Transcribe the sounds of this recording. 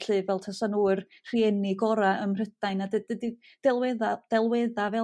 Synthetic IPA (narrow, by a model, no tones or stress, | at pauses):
ɬɨvɛlˠtʰasanuər | r̥iɛnɪɡɔɾaəmr̥ədajnadədədi | d̥ɛlˠwɛðad̥ɛlˠwɛðavɛ